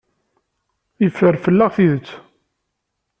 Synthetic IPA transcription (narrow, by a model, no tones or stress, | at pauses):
ifːəɾfəlːaʁθiðət͡sː